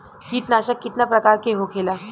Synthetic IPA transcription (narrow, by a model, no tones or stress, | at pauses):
ɦiːʈnaɕəkːit̪napɾəkaɾkeɦokʰela